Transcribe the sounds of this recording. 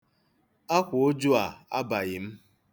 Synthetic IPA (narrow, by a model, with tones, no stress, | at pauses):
a˦kʷʊ˨o˦d͡ʒu˦a˨a̰˦ba˨ɣɪ˨m̩˦